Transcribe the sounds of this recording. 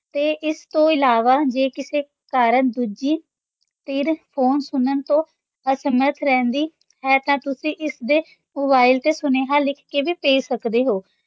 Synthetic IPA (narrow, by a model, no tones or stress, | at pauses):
t̪eːʔɪst̪õːɪlaːʋaːd͡ʒeːkɪseː | kaːɾənd̪uːd͡ʒiː | t̪ɪɾpʰoːnsʊnənt̪õː | əsəməɾt̪ʰɾɛ̃ːnd̪iː | ɦɛːt̪ãːt̪ʊsĩːʔɪsd̪eː | moːbaːɪlt̪eːsʊneːɦaːlɪkʰkeːʋiːpeːisəkd̪eːɦoː